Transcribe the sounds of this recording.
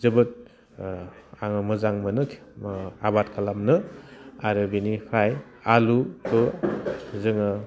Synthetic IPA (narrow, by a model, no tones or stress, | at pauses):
zɯbɯt̚ | aŋɯmɯzaŋmɯnɯabat̚kʰalamnɯaɾɯbinipʰɾaj | alupʰɯ | zɯŋɯ